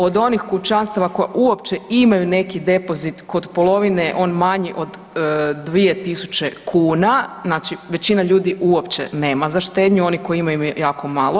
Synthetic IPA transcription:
o̞d̪o̞nixkut͡ʃanst̪aʋako̞jaʔuo̞pt͡ʃeimajune̞kid̪e̞po̞zit̪kod̪polˠo̞ʋineʔo̞ːnmaɲiʔo̞d̪ː | ʋije̞t̪isut͡ɕe̞kʰuːnaznaːt͡ʃiʋe̞t͡ɕinaʎuːd̪iuo̞pt͡ʃḛne̞ːmazaʃt̪eːd̪ɲuo̞niko̞jiimajuimajujaːko̞malˠo

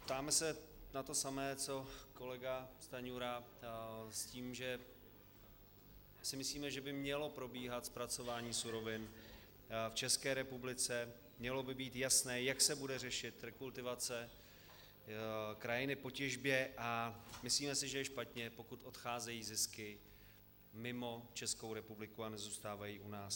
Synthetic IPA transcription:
pt̪aːmɛsɛnat̪o̞samɛːt͡so̞ko̞lɛɡast̪aɲuɾa | sciːmʒɛ | sɪmɪsliːmɛʒɛbɪmɲɛlo̞pɾo̞biːɦat̪spɾat͡sovaːɲiːsuɾo̞vɪn | ft͡ʃɛskɛːɾɛpublɪt͡sɛ | mɲɛlo̞bɪbiːt̪jasnɛːjaksɛbudɛrɛʃɪt̪ɾɛkult̪ɪvat͡sɛ | kɾajɪnɪpo̞cɛʒbjɛʔamɪsliːmɛsɪʒɛjɛʃpat̪ɲɛpo̞kut̪ʔot̪xaːzɛjiːzɪskɪ | mɪmo̞t͡ʃɛsko̞wɾɛpublɪkuanɛzuːst̪aːvajiːʔunaːs

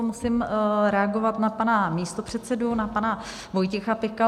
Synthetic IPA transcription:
omusɪmɾɛaɡo̞vat̪napanamiːst̪opr̝̥ɛt̪sɛdunapana | vo̞jcɛxapɪka

